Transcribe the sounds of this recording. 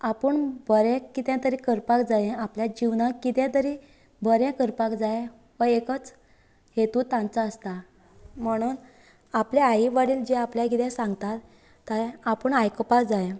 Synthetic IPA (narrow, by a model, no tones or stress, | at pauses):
apəɳbʱəɾɛ̃kit̪ãt̪əɾiːkəɾpakd͡zajẽapljad͡ʑiʋnakit̪ɛ̃t̪əɾi | bʱəɾɛ̃kəɾpakd͡zaj | ʋəekət͡s | ɦet̪ut̪ãnt͡saəst̪a | m̤əɽ̃uːn | apleaiʋaɽiːld͡ʑeapljaɡʱit̪ɛ̃sãŋɡt̪at̪ː | əɾapəɳajkəpakd͡zajẽ